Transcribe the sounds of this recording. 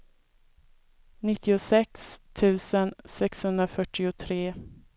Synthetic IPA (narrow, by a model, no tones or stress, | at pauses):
nɪt̪ʰːɪʊsɛkst̪ʰʉ̟ːsənsɛkshɵnd̪ɾafœʈːɪʊt̪ʰɾeː